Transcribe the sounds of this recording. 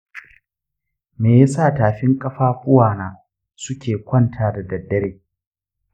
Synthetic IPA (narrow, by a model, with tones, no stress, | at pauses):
meː˨ja˦sa˦˨taː˨ɸɪ˦ŋkʼɐ˦ɸaː˦ɸʷʊ˦waː˨naː˨ | sʊ˦kʲeː˨kʷɐ˦˨ntʰaː˦da˨dɐ˨dːɐ˦ɽeː˨